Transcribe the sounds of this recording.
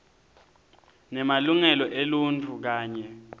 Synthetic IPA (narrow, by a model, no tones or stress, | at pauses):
nɛmaluŋɛlɔʔelunt͡fʰuk̬aːɲɛ